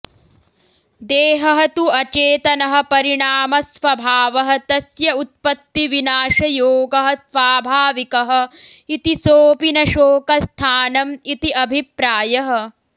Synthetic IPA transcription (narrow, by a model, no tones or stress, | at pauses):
d̪eːɦɐɦɐt̪uɐt͡ʃeːt̪ɐnɐɦɐ̆pɐɾiɳaːmɐsʋɐbʱaːʋɐɦɐ̆t̪ɐsjɐut̪̚pɐt̪ːiʋinaːʃɐjoːɡɐɦɐ̆t̪ʋaːbʱaːʋikɐɦɐ̆it̪isoːpinɐʃoːkɐst̪ʰaːnɐmit̪iʔɐbʱipɾaːjɐɦɐ̆